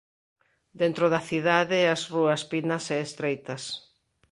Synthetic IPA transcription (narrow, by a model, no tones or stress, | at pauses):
d̪ent̪ɾoðɐθiðaðɪɐsruɐspinɐsɛːst̪ɾejt̪ɐs